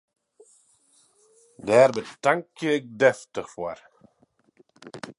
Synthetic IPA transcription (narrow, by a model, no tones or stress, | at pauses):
dɛːɾbətaŋkjəɛk̚dɛftəχfuəɾ